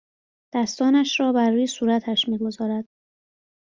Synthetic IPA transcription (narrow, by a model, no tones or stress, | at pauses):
d̪̥æst̪ɒːnæʃɾɒːbæɾːuːjesuːɾæt̪ʰæʃmiːɡo̞zɒːɾæd̪̥̚